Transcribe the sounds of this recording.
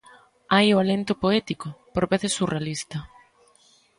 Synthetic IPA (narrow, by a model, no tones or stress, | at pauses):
ajoalent̪ʊpoɛt̪ikʊpoɾβeθɪsːurealist̪ɐ